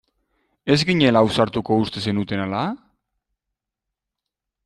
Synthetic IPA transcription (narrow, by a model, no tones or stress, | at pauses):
e̞zɡiɲe̞lawsaɾt̪uko̞ust̪e̞se̞nut̪e̞nala